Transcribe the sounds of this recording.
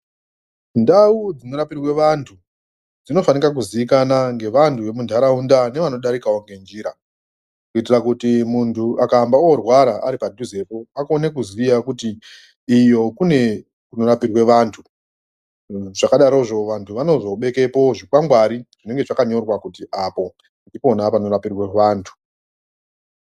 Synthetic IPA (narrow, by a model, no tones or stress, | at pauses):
ndaud͡zino̞ɾapirwe̞ʋantʰu | d͡zino̞fanikak̬uziikanaŋɡe̞ʋantʰuʋe̞mundʱaɾaundane̞ʋano̞ɗaɾikawoŋɡe̞nd͡ʒiɾa | kuitirakutimuntʰuʔakaːmbaorwaɾaʔaɾipadʱuze̞po̞akonekuzʋijakutiː | jo̞kune̞ | kuno̞rapirwe̞ʋantʰu | ʐakaɗaɾo̞ʐo̞ʋantʰuʋano̞zo̞ɓe̞ke̞po̞ʐikaŋɡwaɾiʐ̥ine̞ŋɡe̞ʐakaɲo̞rwakutiʔapo̞ | ndipo̞napano̞rapirwe̞ʋaːntʰu̥